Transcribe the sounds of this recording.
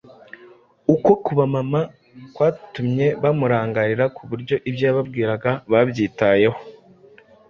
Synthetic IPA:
uko̞kuβamama | kwaːtumɲe̞βamuɾaːŋɡaɾiɾakʰuβuɾɟo̞ʔibjaβabɡiːɾaɡaβabjiːtaje̞ho

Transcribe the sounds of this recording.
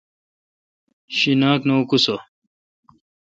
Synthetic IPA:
ɕinaːknoukuso

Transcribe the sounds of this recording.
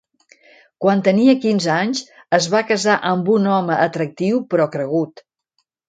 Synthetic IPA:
kwant̪əniəkinzəaɲs | əzβakəzaʔəmbunɔməʔət̪ɾək̚t̪iwpɾɔkɾəɣ̞ut̪

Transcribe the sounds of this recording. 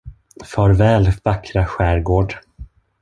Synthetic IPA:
fœːɾvɛːlvakɾaɧæːɾɡoːɖ

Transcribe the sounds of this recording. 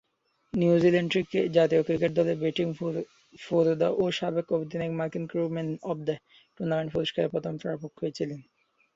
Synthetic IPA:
niuzileɳɖɾikːed͡ʑat̪iokɾikeʈ̚d̪ɔlebeʈiŋ | foɾod̪aʔoʃabekobod̪inekmaɾkinkɾumenɔb̚d̪a | ʈuɾnameɳʈ̚poɾoʃkaɾepɔt̪ʰomfɛɾapokɦojet͡ɕʰilen

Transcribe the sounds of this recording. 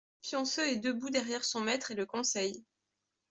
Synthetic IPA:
pjɔ̃søed̪øbud̪ɛʁjɛʁsɔ̃mɛt̪χeləkɔ̃sɛj

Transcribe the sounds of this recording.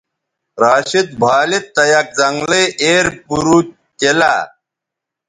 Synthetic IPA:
ɾaːɕit̪̚bʱaːlit̪ːɐjɐk̚zɐŋɡleʔeːɾpuɾu | t̪ela̰ː

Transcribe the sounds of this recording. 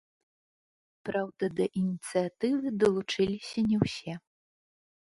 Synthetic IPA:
pɾawd̪ɐd̪ɐʔinʲit̪sɨat̪ɨvɨd̪ɐlˠut͡ʂɨlʲisʲɐnʲɛwsʲɛ

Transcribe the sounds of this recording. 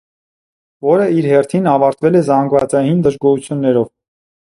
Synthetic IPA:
vɔɾəiɾhɛrt̪ʰinɑvɑɾt̪vɛlɛzɑŋɡvɑt͡sɑjind̪əʒɡɔhut͡sʰjunːɛɾɔv

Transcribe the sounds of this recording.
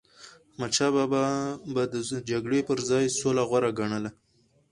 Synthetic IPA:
mat͡ʃababad̪əd͡ʒaɡɽepəɾzɑjsolaɣwaɾaɡaɳəla

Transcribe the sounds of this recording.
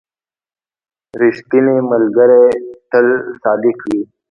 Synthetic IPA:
ɾɪʂt̪ineməlɡəɾet̪əlsɑːd̪ɪkwiː

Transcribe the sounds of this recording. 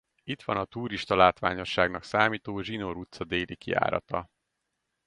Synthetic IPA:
it̪ʋɒnɒt̪uːɾiʃt̪ɒlaːt̪ʋaːɲo̞ʃːaːɡnɒksaːmiːt̪oːʒino̞ɾut̪sɒd̪eːlikia̰ːɾɒ̰t̪ɒ

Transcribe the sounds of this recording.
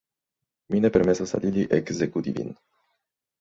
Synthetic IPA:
minepermesosa̰liliʔekzekut̪ḭvḭn

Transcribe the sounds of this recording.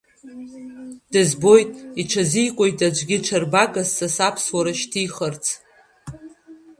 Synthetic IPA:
d̥ɨzbo̞jtʼiʈ͡ʂʰazijkʷʼo̞jtʼad͡ʒʷɡʲɪʈ͡ʂʰarbaɡassasapʰswaɾaʃtʰijχərt͡sʰ

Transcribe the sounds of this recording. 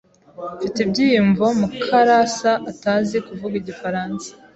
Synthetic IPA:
fiteb̚ɟiːjiɱvomukʰaɾasaʔːtaːzekuvuɡiɟifaɾaːnsḁ

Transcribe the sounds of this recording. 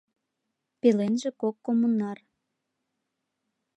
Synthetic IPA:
pelenʒĕkokːomunːɑr

